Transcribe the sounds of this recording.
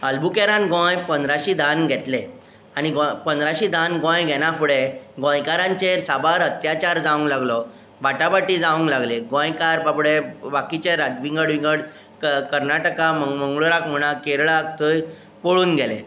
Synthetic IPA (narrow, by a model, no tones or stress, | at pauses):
əlbukeɾãnɡõjpənd̪ɾaɕiːd̪ʱanɡʱɛt̪le | añiɡɔpənd̪ɾaɕid̪ʱanɡɔ̃jɡʱɛñãfuɽeɡɔ̃jkaɾãɲt͡ɕeɾsabaɾɦət̪jat͡ɕaɾd͡zaʋə̃ŋklaɡlɔ | baʈabaʈid͡zaʋə̃ŋklaɡleɡɔ̃jkaɾpapɽebakit͡ɕeɾat̪ʋiŋɡəɽʋiŋɡəɽ | kəɾnaʈəkaməməŋɡɭuɾakm̤əɽ̃akeɾɭak̚t̪ʰəj | poɭuːnɡʱɛlḛ